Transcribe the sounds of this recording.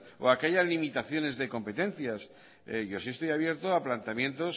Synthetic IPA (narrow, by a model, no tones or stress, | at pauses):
o̰akeʝazlimit̪aθjo̞ne̞zðe̞ko̞mpe̞t̪ẽ̞nθjas | ʝo̞siest̪o̞jaβje̞ɾt̪oaplant̪eamjẽ̞nt̪o̞s